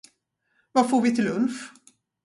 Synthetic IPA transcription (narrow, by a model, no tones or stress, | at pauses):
vafoːɾvɪt̪ʰɪlːɵnf